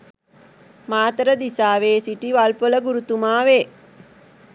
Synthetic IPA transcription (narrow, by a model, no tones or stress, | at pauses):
maːt̪ɾəd̪isaːʋeːsiʈiʋalpoləɡuɾut̪umaːʋeː